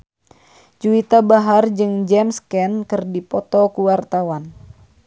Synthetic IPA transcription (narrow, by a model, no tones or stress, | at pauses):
d͡ʒuit̪abaɦard͡ʒɨŋd͡ʒɛmskɛnkɨrdipɔt̪ɔkuwart̪awan